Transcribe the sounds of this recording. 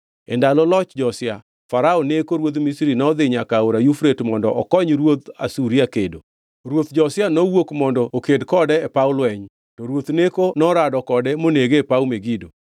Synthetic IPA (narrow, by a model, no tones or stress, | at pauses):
ɛ̰ndalɔlɔt͡ʃd͡ʒɔsɪa | faɾaonekoɾwot̪misɾinɔd̪ɪɲakaoɾajufɾetmɔndɔ̰ʔɔkɔɲɾwot̪a̰suɾiakedo | ɾwot̪d͡ʒɔsjanɔwokmɔndɔʔokedkɔdɛɛpaʊlwɛɲ | tɔɾwot̪nekonɔɾadɔkɔdɛmoneɡepaumeɡido